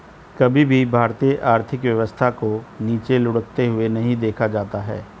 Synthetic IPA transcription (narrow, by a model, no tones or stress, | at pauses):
kɐbʱibʱibʱaːɾt̪ijəʔaːɾt̪ʰɪkʋjɐʋəst̪ʰakoniːt͡ʃelʊɽək̚t̪eɦʊenɐɦĩd̪eːkʰad͡ʒaːt̪aɦɛ̰ː